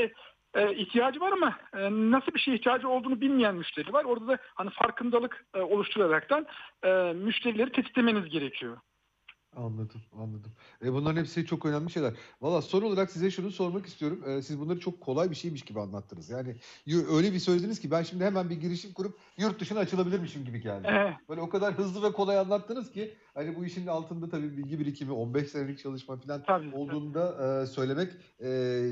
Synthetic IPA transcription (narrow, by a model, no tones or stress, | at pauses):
ɛ | ɛːiçt̪ʰijaːd͡ʒɯvaɾamanasɯlˠbiʃe̞jiçt̪ʰijaːd͡ʒɯo̞lˠd̪uːnubilʲmijænmyʃt̪ʰeɾilʲivaɾo̞ɾd̪ad̪ahanifaɾkʰɯnd̪alˠɯkːo̞lˠuʃt̪ʰuɾˠaɾakt̪ʰænɛmyʃt̪ʰe̞ɾilʲe̞ɾit̪ʰɛsʲi̥eme̞nizɟe̞ɾecʰijo̞ | anlˠad̪ɯmanlˠad̪ɯm | ɛbunˠaɾɯnepsit͡ʃʰo̞kønænmʲlʲiʃejlʲæɾvalˠːaːso̞nolˠaɾaksizɛʃunuso̞ɾmakist̪ʰijo̞ɾumɛːsizbunˠaɾɯt͡ʃʰo̞kʰːo̞lˠajbiʃe̞jmiʃɟibianlˠat̪ʰːɯnɯzjaːnɪjuø̞jlʲebisøjlʲed̪inizcʰibænʃimd̪ihemænbiɟiɾiʃimkuɾup̚ | juɾt̪̚d̪uʃɯnat͡ʃʰɯlˠabilʲiɾmiʃimɟibiɟʰæ̰ɾd̪bøjlʲɛokad̪aɾɦɯzlˠɯvɛkʰo̞lˠajanlˠat̪ːɯnɯz̥ci | hanibuiʃinnalˠt̪ʰɯnd̪at̪ʰabiːbilʲɡɟibiɾicʰimio̞nbɛʃse̞nelʲic̚t͡ʃʰalˠɯʃmafilʲano̞lˠd̪uːnd̪aʔsø̞jlʲe̞mɛcɛː